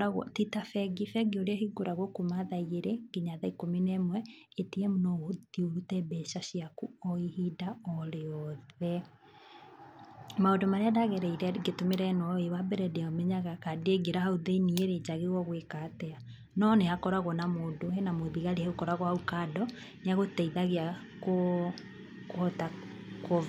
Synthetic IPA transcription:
aɣɔ̰titafɛɡifɛɡeoɾeɛhiɡoɾaɣwɔkomaðaiɣeɾeɡ̥iɲaðaikominɛmwɛetiɛmunɔoðioɾutɛbɛʃaʃiakuɔihidaɔɾeɔðɛ | maodomaɾeadaɣɛɾɛiɾɛɡetomeɾɛnɔewabɛɾɛdeaomɛɲaɣakadeɡeɾahauðeinieɾed͡ʑaɣeɣwɔɣwekatɛa | nɔnehakɔɾaɣɔnamodohɛnamoðiɣaɾehɛokɔɾaɣɔhaukaːdɔ | neaɣotɛiðaɣea | ko | kɔta | ko

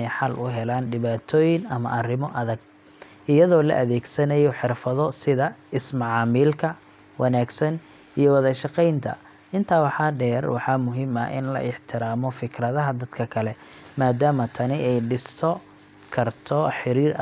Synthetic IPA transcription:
ɛjħɑlʔʊɦɛlaːnɖɪβaːt̪ʰɔːjɪnɐmɐ̰ʔɐrɪmɔʔɐðɐɡ̚ | ʔɪjɐðɔːlɐ̰ʔɐðɛːɡsɐnɐjɔħɪrfɐðɔsɪðɐɪsmɑʕɑːmiːlkʰɐ | wɑnaːɡsɐn | ijɔwɐðɐʃɑqɛjnt̪ʰɐ̰ | ʔɪnt̪ʰaːwɑħɑːɖɛːrwɑħɑmʊɦɪmɐʔɪ̰nlɐ̰ʔɪħt̪ʰɪɾaːmɔfɪkʰrɐðɐɦɐd̪ɐd̪kʰɐkʰɐlɛmaːd̪aːmɐt̪ʰɐnɪʔɛjɖɪst̪ɔ | kʰɐrt̪ʰɔħɪɾiːɾ

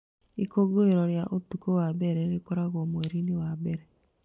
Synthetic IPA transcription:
ikoɡoeɾɔɾjaʔotukowabɛɾɛɾekoɾaɣwɔmwɛɾiniwabɛɾɛ

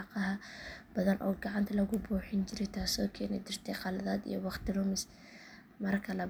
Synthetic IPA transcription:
ɑqɑɦɐbɐðɐnʔɔ̰ːɡɑʕɑnt̪ʰɐlɐɣʊbuːħɪnt͡ʃɪɾɛjt̪ʰaːsɔːkʰɛnɛ̰d̪ɪrt̪ʰɛjqɑlɐðaːd̪ḭjɔwɑχt̪ʰɪrʊmɪs | mɐrkʰɐlɐ

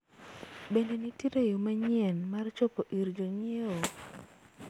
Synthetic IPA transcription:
bendenitiɾejomaɲɪɛnmart͡ʃopoʔiɾd͡ʒoɲeo

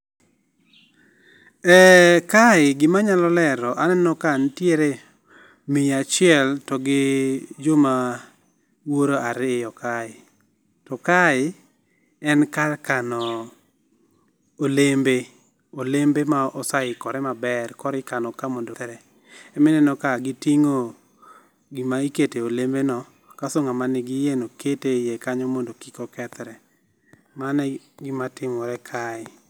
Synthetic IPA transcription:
ɛkaɪɡɪmaɲalɔlɛɾɔʔanɛnɔkantjeɾe | mijat͡ʃɪɛltɔɡɪd͡ʒʊma | woɾoaɾɪjɔkaɪ | tɔkaɪ | ɛnkalkanɔ | olembe | olembemaɔsaɪkɔɾɛmabɛrkɔɾɪkanɔkamondot̪ɾɛ | ɛmɪnɛnɔkaɡɪtiŋo | ɡɪmaiketeolembenɔ | kasoŋamanɪɡɪjenoketejekaɲɔmondokikokɛt̪ɾɛ | manɛ | ɡɪmatɪmɔɾɛkʰaɪ

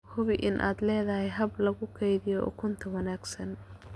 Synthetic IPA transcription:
hʊβɪʔɪnʔa̰ːd̪lɛːðɐɦɛjɦɐblɐɣʊkʰɛjðɪjɔʔɔ̰kʰʊnt̪ʰɐwɑnaːɡsɐn

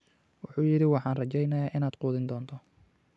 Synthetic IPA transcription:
wʊħuːjɪɾɪwɑħɑːnrɐt͡ʃɛjnɐjaːʔɪnaːd̪quːðɪnd̪ɔːnt̪ʰɔ

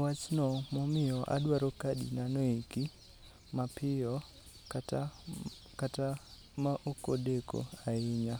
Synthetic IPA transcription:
wat͡ʃnɔmomɪɔʔa̰ɗwaɾokaɗḭnanoiki | mapʰɪjɔ | kata | kata | maʔokoɗeko̰aiɲa

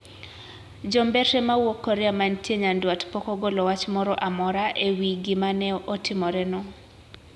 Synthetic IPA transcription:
d͡ʒɔmbɛtɛmawokːɔɾɛamantjeɲandwatpɔkɔɡolɔwat͡ʃmɔɾɔʔamɔɾaʔewiɡɪmanɛʔotʰɪmɔɾɛnɔ

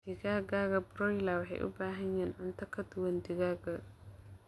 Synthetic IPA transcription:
d̪ɪɡaːɡaːɣɐbɾɔjlawɑħɛ̰jʔʊ̰baːɦɐɲɛːnʕʊnt̪ʰɐkʰɐd̪ʊwɐnd̪ɪɣaːɡɐ

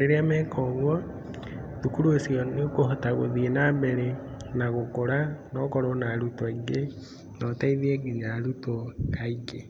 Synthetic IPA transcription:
ɾeɾeamɛkʰɔɣwɔ | ðukuɾuosiɔnekohotaɣoðienaːbeɾe | naɣokoɾanɔkɔɾonaɾutaiɡe | nɔtaiðieɡeɲalutokaiɡe

